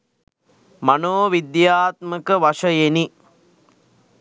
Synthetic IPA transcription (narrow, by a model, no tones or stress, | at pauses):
manoːʋid̪jaːt̪məkəʋaʂəjeni